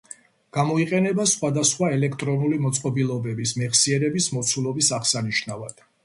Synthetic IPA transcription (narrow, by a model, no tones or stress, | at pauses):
ɡ̥amɔiqʼɛnɛbasχwad̪asχwaɛlɛkʰt̪ʼɾɔnulimɔt̪sʼqʼɔbilˠɔbɛbismɛχsiɛɾɛbismɔt̪sʰulˠɔbisaχsaniʃnavad̪̥